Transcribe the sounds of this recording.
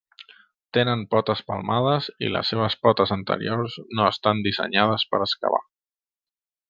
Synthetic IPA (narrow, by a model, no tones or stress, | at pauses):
t̪enənpɔt̪əspəlˠmað̞əzḭlə̰sːeβ̞əspɔt̪əzənt̪ə̰ɾiorznoəst̪and̪izə̰ɲað̞əspəɾəska̰βa̰